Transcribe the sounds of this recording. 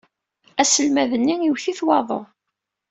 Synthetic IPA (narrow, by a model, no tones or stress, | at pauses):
æsəlmæðənːijiwθiθwɑðˤo̰